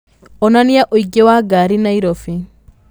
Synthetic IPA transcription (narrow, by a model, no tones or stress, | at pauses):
ɔnanijaʔoiɡewaɡaːɾinaiɾofi